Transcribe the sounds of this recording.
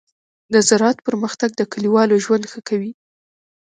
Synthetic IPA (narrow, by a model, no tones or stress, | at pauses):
d̪azaɾɑt̪pəɾməxt̪aɡ̚d̪əkəliwɑloʒwand̪xəkawi